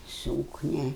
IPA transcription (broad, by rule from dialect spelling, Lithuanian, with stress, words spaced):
ˈsuːknʲɛ